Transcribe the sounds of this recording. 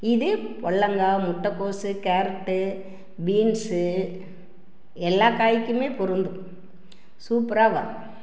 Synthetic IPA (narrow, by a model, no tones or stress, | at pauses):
ɪðɯpɔɭːɐŋɡamʊʈːɐkːoːsɯkaːɾʈːɯ | biːnsɯ | ɛlːaːkaːjɪkːɯmeːpʊɾɯnd̪ɯ | suːpɾaːɣɐ̰